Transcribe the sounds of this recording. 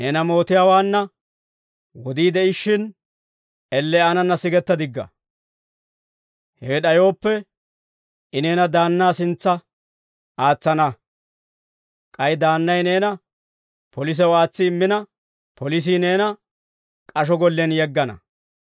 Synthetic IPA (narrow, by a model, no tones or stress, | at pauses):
neːnɐmo̞ːt̪ɪjaːwaːnːɐ | wɔd̪iːd̪ɛʔɪʃːɪn | ɛlːɛanɐnːɐsɪɡɛt̪ːɐd̪ɪɡːɐ̰ | hɛwɛɗɐjo̞ːpːɛ | ɪne̞ːnɐd̪aːnːaːsɪnt͡sːɐ | aːt͡sːɐnɐ | kʼɐjd̪aːnːɐjne̞ːnɐ | pɔlɪs̬ɛwaːt͡sːɪːmːɪnɐ | pʰɔlɪs̬ineːnɐ | kʼɐʃɔɡɔlːɛnjɛɡːɐnɐ̰